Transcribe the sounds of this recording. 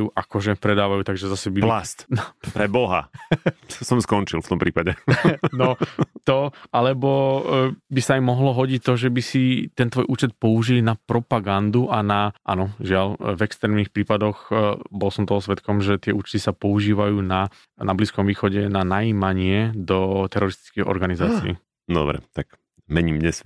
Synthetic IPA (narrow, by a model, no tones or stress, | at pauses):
juʔakɔʒɛpɾɛd̪aːʋajuːt̪aɡʒɛzasɛbilast̪npɾɛbɔɦa̰ | sɔmskɔnt͡ʃilˠft̪ɔmpɾḭːpaɟɛnɔt̪ɔʔalɛbɔ | bisaajmɔɦlɔɦɔɟic̚t̪ɔʒɛbisit̪ɛnt̪ʋɔːjʔuːt͡ʃɛt̪̚pɔuʒilnapɾɔpaɡand̪uʔanaʔa̰nɔʒɪaʎvɛkst̪ɾɛːmnixpɾiːpad̪ɔɣbɔlsɔmt̪ɔɦɔsʋɛt̪kɔmʒɛt̪ɪɛʔuːt͡ʃt̪isapɔuʒiːʋajuːna | nabliskɔmʋiːxɔɟɛnanajiːmaɲɪɛd̪ɔt̪ɛɾɔɾist̪i̥t͡skiɣɔ̰ɾɡanizaːt͡siḭ | d̪ɔ̰bɾɛ̰t̪ak | mɛɲiːmɲɛs